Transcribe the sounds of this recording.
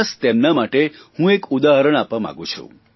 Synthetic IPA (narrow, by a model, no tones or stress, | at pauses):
st̪emnamaʈehũekud̪aɦəɾəɽ̃apʋamã̰ɡũt͡ʃʰṵ̃